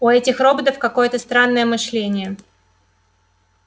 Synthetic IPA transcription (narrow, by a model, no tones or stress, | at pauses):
ʊɛtʲɪxro̞bət̪əfkɐko̞jət̪əst̪ɾanːəjəmɨʂlʲenʲɪjə